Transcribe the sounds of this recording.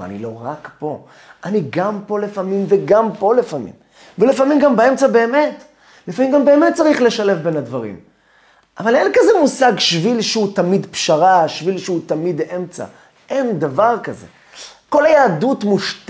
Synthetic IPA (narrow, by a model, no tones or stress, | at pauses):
a̰nḭlo̞ʁakpo̞ | ʔaniɡampo̞lefamimveɡampo̞lefamḭm | velefamimɡambae̞mt͡sabe̞ːme̞t | lefamimɡambe̞ːme̞t̚t͡saʁiχle̞ʃale̞fbe̞nadvaʁḭm | ʔavale̞nkazemusaɡʃvilʃeutamid̪pʃaʁaʃvilʃutamid̪e̞mt͡sa̰ | ʔe̞nd̪avaʁkaze̞̰ | ko̞lajaːdutmuʃt